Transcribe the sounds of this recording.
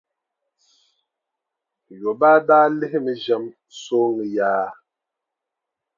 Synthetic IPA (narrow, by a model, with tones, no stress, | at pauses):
jo˨baː˦daː˦lɪ˦hɪ˦mɨ˨ʒɛ˦m | so˦ŋɨ˨jaː˦